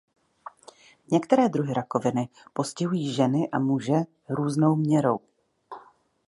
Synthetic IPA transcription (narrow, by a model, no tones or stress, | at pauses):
ɲɛkt̪ɛɾɛːd̪ɾuɦɪɾako̞vɪnɪ | po̞scɪɦujiːʒɛnɪʔamuʒɛ | ɾuːzno̞wmɲɛɾo̞w